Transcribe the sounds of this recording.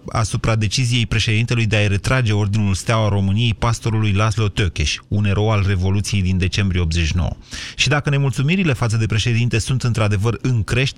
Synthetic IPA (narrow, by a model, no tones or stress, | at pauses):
a̰supɾad̪e̞t͡ʃizije̞jpɾe̞ʃe̞d̪int̪e̞lujd̪e̞ajɾe̞t̪ɾad͡ʒe̞o̞rd̪inulst̪eawaro̞mɨnije̞jpast̪o̞ɾulujlaslo̞t̪okʲeʃʲune̞ɾo̞alre̞vo̞lut̪sije̞jd̪ind̪e̞t͡ʃe̞mbɾijeo̞p̪zet͡ʃʃino̰wə̰ʃid̪akəne̞mult̪sumiɾile̞fat̪səd̪e̞pɾe̞ʃe̞d̪int̪e̞sunt̪ɨnt̪ɾad̪e̞vərɨŋkɾe̞ʃt̪